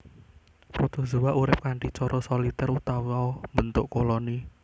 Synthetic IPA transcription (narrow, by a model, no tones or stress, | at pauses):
pɾɔt̪ɔzuwaʔuɾɪp̚kaɳʈit͡ʃɔɾʔɔsɔlit̪ɛrut̪awiaɔmbənt̪ʊʔkolɔni